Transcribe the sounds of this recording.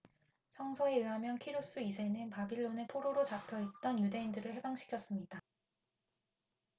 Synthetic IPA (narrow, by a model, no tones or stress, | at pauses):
sʰʌŋsʰʌe̞ɯɦamjʌnkʰiɾjos͈uisʰe̞nɯnpabiɭːonepʰoɾoɾot͡ɕapʰjʌɦet̚t͈ʌnjude̞indɯɾɯɭhe̞baŋɕʰi̥kʰjʌs͈ɯmɲida